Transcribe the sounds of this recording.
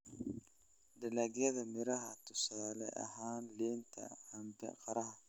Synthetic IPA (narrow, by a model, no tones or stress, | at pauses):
d̪ɐlaːɣjɐðɐmɪɾɐɦɐt̪ʰʊsaːlɛʔɐ̰ɦaːnlɛːnt̪ʰɐ̰hɐmb̪ɛ̰qɑɾɐɦɐ